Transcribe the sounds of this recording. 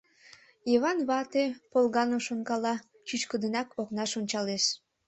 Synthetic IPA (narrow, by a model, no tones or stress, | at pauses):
iβɑnβɑt̪epolɣɑnoʃonkɑlɑ | t͡ɕyt͡ɕkəd̪ənɑkoknɑʃonʲt͡ɕɑleʃ